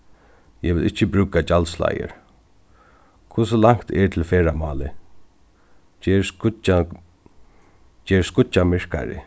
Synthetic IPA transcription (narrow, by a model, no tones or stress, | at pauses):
jɛʋɪlʔɪht͡ʃːɪbɾʉːkat͡ʃalsla̰jə̰ɹ | kʰʊsʊlaŋ̥kt̪ɛɹt̪ʰɪlfeːɹamɑ̰ːlɪ | t͡ʃɛːɹskʊt͡ʃːamɪɹ̥ka̰ɾɪ̰